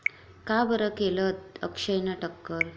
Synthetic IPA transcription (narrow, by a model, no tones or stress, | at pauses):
kabəɾəkelət̪̚ə̰kʂəjnaʈəkːəɾ